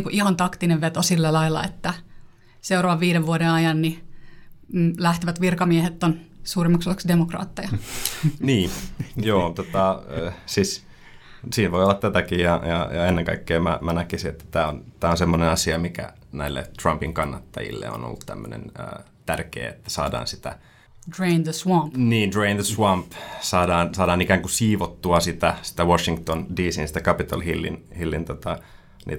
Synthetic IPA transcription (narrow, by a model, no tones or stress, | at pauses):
ŋkuʔihɑnt̪ɑkt̪ineʋʋet̪osilːælɑilːɑ̰et̪ːæ | seuroʋɑʋʋiːɾeʋʋuodenɑjɑnni | læht̪iʋæt̪ʋirkɑmiehet̪ːonsuːrimːɑksoleksdemokrɑ̰ːt̪ːɑjɑniːnjoːt̪ot̪ɑsis | siːnʋoiolːɑt̪t̪æt̪ækijjɑjɑ̰jɑenːeŋkɑikːeːmæ̰mænækisiet̪ːæ̥t̪æːont̪æːonsemːonenɑsiɑmikæ̰ | næilːḛt̪rɑmpiŋkɑnːɑt̪ːɑ̰jḭlːḛo̰no̰lːut̪t̪æ̰mːø̰nḛnə̰ː | t̪ærkḛːḛt̪ːæ̥sɑ̰ːdɑ̰ːnsi̥t̪æ̰ | dɹẽnðəswɑ̃mpniːndreinðəswɑmpsɑːdɑːnsɑːdɑːnikæːŋkusiːʋot̪ːuɑsit̪æsi̥t̪æwoʃiŋkt̪ondiːsinsi̥t̪ækɑpit̪ɑlhilːḭnhilːint̪ot̪ɑ | nḭː